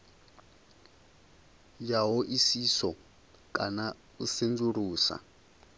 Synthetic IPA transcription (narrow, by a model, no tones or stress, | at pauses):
jaɦɔʔisisɔ | kʼa̰na | usend͡zuɾuːsa̰